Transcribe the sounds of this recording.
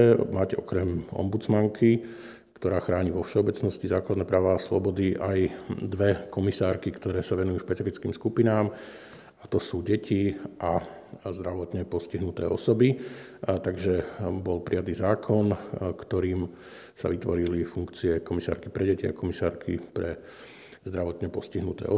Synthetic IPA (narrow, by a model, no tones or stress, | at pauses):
ɛmaɟɔ̰kɾɛmɔ̰mbut͡smaŋkʰi | kt̪ɔɾaːxɾaːɲiʋɔfʃɛɔbɛt͡snɔscizaːklad̪nɛːpɾaːʋaːslɔ̰bɔd̪iʔajd̪ʋɛkɔmisaːɾkikt̪ɔɾɛːsaʋɛnujuːʃpɛt͡sifit͡skiːmskupinaːm | at̪ɔsuːɟɛcʰiʔa | zd̪ɾaʋɔt̪ɲɛpɔsciɦnut̪ɛ̰ːɔ̰sɔbi | t̪aɡʒɛbɔlpɾijat̪iːzaːkʰɔnkt̪ɔɾiːm | sa̰ʋit̪ʋɔɾilifuŋkt͡siɛkɔmisa̰ːɾkipɾɛɟɛcia̰kɔmisaːɾkʰipɾɛ | zd̪ɾaʋɔt̪ɲɛpɔsciɦnut̪ɛ̰ːɔ